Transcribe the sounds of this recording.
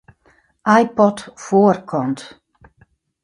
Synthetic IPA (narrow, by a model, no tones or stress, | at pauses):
ʔajpɔtfoːərkʰɔnt